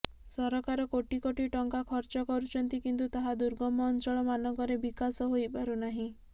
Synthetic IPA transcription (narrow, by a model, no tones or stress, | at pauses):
sɔɾɔkaɾɔkoʈikoʈiʈɔŋkakʰɔɾt͡ʃɔkɔɾut͡ʃʰɔnt̪ikint̪ut̪aɦad̪uɾɡɔmɔːnt͡ʃɔɭɔmanɔkɔɾebikasɔɦojbaɾunaɦĩ